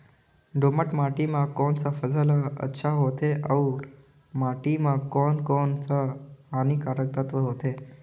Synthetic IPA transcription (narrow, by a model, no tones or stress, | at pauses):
ɖoməʈmaʈimakɔnt͡safəd͡zʱalaə̰tːɕʰaɦot̪eʔauɾ | maʈimakɔnkɔnt͡saːñikaɾək̚t̪at̪ʋəɦot̪e